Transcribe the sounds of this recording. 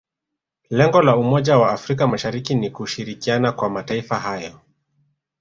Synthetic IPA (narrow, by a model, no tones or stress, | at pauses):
lɛŋɡɔlaumɔʄawaːfɾik̬amaʃaɾikinikuʃiɾikianakwamataifahajɔ